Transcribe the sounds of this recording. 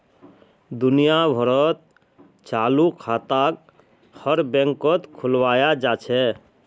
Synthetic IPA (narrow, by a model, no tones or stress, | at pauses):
d̪unijabʱəɾət̪̚ | t͡ʃalukʰat̪ak̚ | həɾbɛ̃ŋkət̪kʰulwajad͡ʒat͡ʃʰɛ